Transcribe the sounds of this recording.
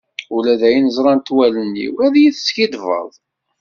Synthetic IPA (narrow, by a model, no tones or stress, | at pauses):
ulæðæjinəzˤɾˤɑnt̪ːwælənːḭwæðjiθskid̪və̰ðˤ